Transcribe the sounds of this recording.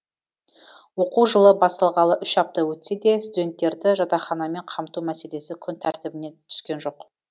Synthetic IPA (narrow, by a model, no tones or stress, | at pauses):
wo̞quwʒəlˠəbɑst̪ɑlˠʁɑlˠəʔʏʃɑp̚t̪ɑwɵt̪se̞d̪e̞st̪ud̪e̞nt̪ːe̞ɾd̪ɪʒɑt̪ɑχɑnɑme̞ɴqʰɑmt̪umæse̞le̞sɪkʲʰʏnt̪ʰæɾt̪ɪbɪne̞t̪ʰʏ̥skʲe̞nʒo̞q